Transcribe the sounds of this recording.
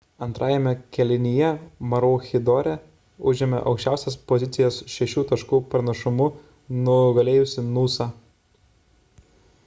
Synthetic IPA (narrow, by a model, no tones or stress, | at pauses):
ɐnt̪ɾʔɑːjɛmʲɛkʲɛlʲɪnʲɪjɛmɐɾoːxʲɪd̪ɔɾʲɛ | ʊʒʲɪmʲɛ̰ʔɒ̰ʊkʃʲt͡ʃʲæˑʊsʲɛspɔzʲɪt̪sʲɪjoːsʃʲɛʃʲuːt̪ɐʃkuːpɾnɐʃʊmʊ | nʊɡɐlʲeːjʊsʲɪnuːsɑː